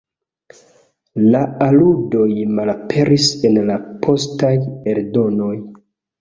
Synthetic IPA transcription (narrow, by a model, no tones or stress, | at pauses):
laaludo̞jmalapʰe̞ɾʔise̞nlapʰo̞stajeɾdo̞no̞j